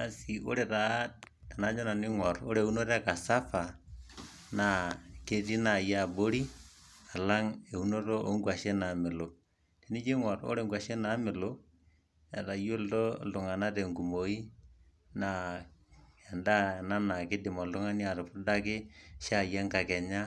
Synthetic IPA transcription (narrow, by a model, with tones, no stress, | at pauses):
a˨si˨ʔo̰˦ɾɛ˨ɾa˨˦ | ta˨na˨˦d͡ʒɔ˦na˨nɪ˦ŋɔ˨ro˦ɾe˨u˦no˦ɾka˨sa˦fa˨ | na˨ke˦ti˦na˨ja˦˨bo˦ɾi˦a˨la˦ŋe˨u˦no˦to˦ʔo˦ŋɡwa˨ʃɛ˦na˨mɪ˨lo˨ | te˨ni˦d͡ʒi˦ŋɔ˨ɾo̰˦ɾe˨ŋɡwa˨ʃe˦na˨˦mɪ˨lo˦ | ɛ˨ta˨jo˦ltɔ˦l̩tʊ˨ŋa˨na˦tɛ˨ŋɡu˨mo˨i˦ | na˨ | ɛ˨nda˦˨na˦na˨kɪ˦dɪ˨mɔ˨ltʊ˦ŋa˦ni˦a˨ɾʊ˨pʊ˦da˦kɪ˦ʃa˦˨ja˦ŋka˨kɛ˨ɲa˦